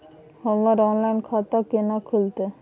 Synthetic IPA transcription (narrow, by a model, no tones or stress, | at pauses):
hɔlːaɾɔnlajnkʰat̪akenakʰult̪e